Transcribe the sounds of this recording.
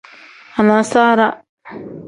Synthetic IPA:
a˨na˨saː˦ɾa˦

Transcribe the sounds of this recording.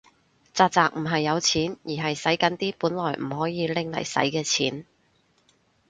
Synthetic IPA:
t͡saː˨˧t̚t͡saː˨˧k̚m̩˨˩ɦɐ˨jːɐ˨˧wt͡sʰiː˨˥njiː˨˩ɦɐ˨jsɐ˨˥jkɐ˨˥nt̪iː˥puː˨˥nlɔː˨˩jm̩˨˩hɔː˨˥jiː˨˧lɪ˨ŋlɐ̰˨˩jsɐ̰˨˥jkɛː˧t͡sʰḭː˨˥n

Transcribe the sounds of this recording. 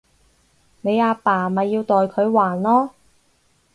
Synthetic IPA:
ne˨˧jaː˧paː˨˩mɐ˨jːiː˧wt̪ɔː˨jkʰɵ˨˧ɥwaː˨˩nlɔː˥

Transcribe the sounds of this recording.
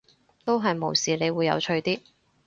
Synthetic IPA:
t̪o˥wɦɐ˨jmo˨˩wsiː˨˩le˨˧jwuː˨˧jːɐ̰˨˧wt͡ʃʰɵ˧ɥt̪iː˥

